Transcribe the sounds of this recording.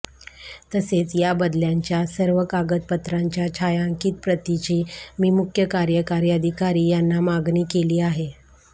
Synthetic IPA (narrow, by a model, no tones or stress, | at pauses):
t̪əset͡sjabəd̪ljaɲt͡ɕjasəɾʋəkaɡət̪̚pət̪ɾaɲt͡ɕjat͡ɕʰajãŋkiːt̪̚pɾət̪it͡ɕiːmiːmukʰjəkaɾjəkaɾijəd̪ʱikaɾiːjanːamaɡniːkeliːaɦe